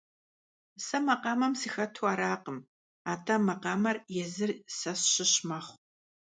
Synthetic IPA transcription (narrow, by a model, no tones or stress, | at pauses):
sɐmɐqɑːmɐmsixɐtʰwaːɾaːqəm | aːtʰɐmɐqɑːmɐrjɛzɨrsɐsɕɪɕmɐχʷ